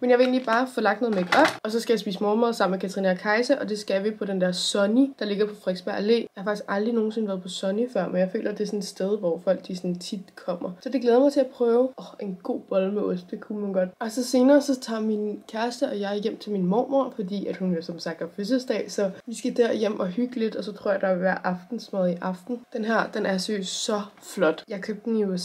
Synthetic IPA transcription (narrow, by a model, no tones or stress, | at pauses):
menjɑ̈ʋee̝̰ːnlib̥ɑ̈ːfɒ̽lɑ̈ɡ̥d̥no̽ð̩ˠmeɡ̥ɒb̥ɒ̽sɒ̽sɡ̥æjɑ̈ɪspḭːsmɒːmoɐsɑ̈m̰mekʰæt͡sʰɐʁiːnækʰɑ̈ɪsəʔɒ̽d̥e̝sɡ̥æʋipʰɒ̽ɾ̥end̥æɐ̰sɒ̽nid̥ɑ̈le̝ɡ̥ɐpʰɒ̽fʁeɡ̥sb̥æɐʔæle̝̰ːjɑhɑfɑ̈ɡ̥isɡ̥ʔɑ̈ld̥ʁino̝ːn̩sen̩ʋæɐðˠpʰɒ̽sɒ̽nifɶɐ̰menjɑ̈ɪfø̰ːlʔɐd̥esɔ̽ned̥sd̥eð̞ˠʋɒfɒ̽l̰ɡ̥̚d̥isɒ̽nt͡sʰid̥kʰɒ̽m̰ɐsɒ̽d̥e̝ɡ̥leːðˠɐmɪt͡sʰeæpʰʁœːʊʔɒʔe̝nɡ̥o̝̰ːb̥ɒlmeɔsd̥ekʰumænɡ̥ɒ̽d̥ælsɒse̝ːnɐːsɒ̽t͡sʰɑ̰̈ːminkʰæɐsd̥əɒ̽jɑ̈ɪæɐjem̰t͡sʰe̝lminmɒ̰ːmoɐ̰fɒd̥ḭːæd̥hunʋesɒ̽msɑ̈ɡ̥̚d̥ɑfes̬əsd̥ɛ̰ːsɒ̽ʋisɡ̥æd̥æɐjem̰ʔɒ̽ɦyɡ̥əle̝d̥ɒ̽sɒ̽t͡sʰʁo̰ɐ̰jɑɐd̥ɑ̈ʋæɐ̰ʔɑ̈fd̥n̩smɛðˠiʔɑ̈fd̥n̩d̥enɦæɐ̰d̥enæɐsøsɒ̽flɒ̽d̥jɑ̈ɪkʰøb̥̚d̥n̩jos